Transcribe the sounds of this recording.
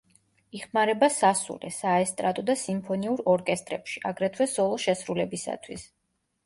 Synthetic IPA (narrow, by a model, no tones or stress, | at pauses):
iχmaɾɛbasasṵlɛ̰saɛst̪ʼɾat̪ʼɔd̪asimpʰɔniuɾɔɾkʼɛst̪ʼɾɛpʃia̰ɡɾɛt̪ʰwɛsɔlˠɔʃɛsɾulɛbisa̰t̪ʰwis